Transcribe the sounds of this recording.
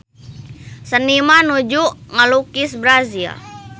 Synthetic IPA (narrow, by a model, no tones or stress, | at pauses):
sənimanud͡ʒuʔŋəlukisbɾazia̰